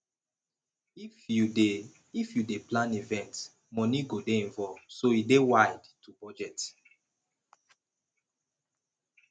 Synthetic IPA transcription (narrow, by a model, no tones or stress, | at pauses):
iue | ifjudeplãnivɛ̃nt | mɔ̃niɡodeĩɱvɔlvsoidewaɪdtubɔd͡ʒɛt